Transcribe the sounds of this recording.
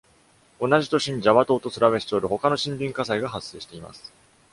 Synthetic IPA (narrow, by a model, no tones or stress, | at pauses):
o̞naʑit̪o̞ɕiɲ̟id͡ʑaβat̪o̞ːt̪o̞t͡sɨɾaβe̞ɕi̥t̪eoɾɯ̟ho̞kano̞ɕĩmbʲĩŋkasaiɡaɦasːe̞ːɕi̥t̪e̞ima̰sɨ̥